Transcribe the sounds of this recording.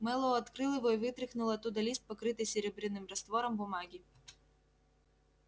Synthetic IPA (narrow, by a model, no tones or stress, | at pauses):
mɛlˠɔɔɐt̪kɾɨlˠɨvɔjvɨt̪ɾɪxnʊlˠɐt̪ːud̪ɐlʲist̪̚pɐkɾɨt̪ɨjsʲeɾʲebɾɨnːɨmrɐst̪vɔɾɐmbʊmaɡʲi